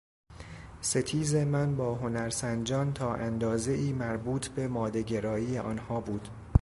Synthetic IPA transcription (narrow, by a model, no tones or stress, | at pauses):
se̞t̪ʰiːze̞mænbɒːɦo̞næɾsænd͡ʒɒːnt̪ʰɒːʔænd̪ɒːze̞ʔiːmæɾbuːt̪ʰbe̞mɒːd̪eɟe̞ɾɒːiːjeʔɒ̰ːnhɒːbuːd̪̥